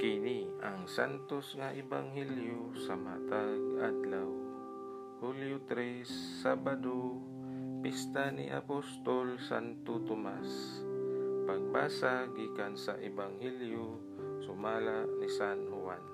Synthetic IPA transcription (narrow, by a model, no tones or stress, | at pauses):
kɪniaŋsa̰nt̪osŋaʔɛba̰ŋɦɛljosama̰t̪aɡad̪law | huljot̪ɾɛsːabad̪o | pist̪anḭʔa̰post̪olsa̰nt̪ot̪omas | paɡ̚ba̰ːsaɡiːkansaʔɛbaŋhɛljo | sʊmaːlaʔnisanhʊwan